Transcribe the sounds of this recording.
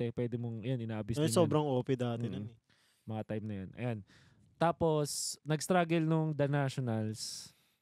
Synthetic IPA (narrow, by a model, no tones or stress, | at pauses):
ɛpwɛːd̪ɪmoŋɐjonɪnaːʔɐbisɐsoːbɾɐŋʔoːpɛd̪aːt̪ɪnɐ | mɐŋɐt̪ajmnɐjonʔɐ̰jan | t̪aːpo̞snɐɡ̚st̪ɾaɡɛlnʊŋd̪ɐnaːʃonɐls